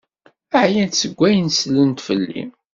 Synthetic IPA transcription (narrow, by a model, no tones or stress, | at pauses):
əʕjænt̪səɡʷːæjənslənt̪fəlːḭm